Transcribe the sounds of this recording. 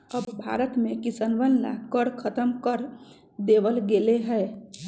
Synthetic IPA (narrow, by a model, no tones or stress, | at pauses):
əbbʱa̰ːɾət̪mẽkɪsənʋənla̰kəɾkʰət̪əmkəɾ | d̪eːʋəlɡeːleɦɛː